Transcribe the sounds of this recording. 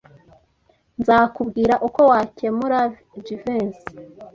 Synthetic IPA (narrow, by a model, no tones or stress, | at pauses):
nzaːkubɡiːɾaʔuko̞waːcemuɾav | d͡ʒivens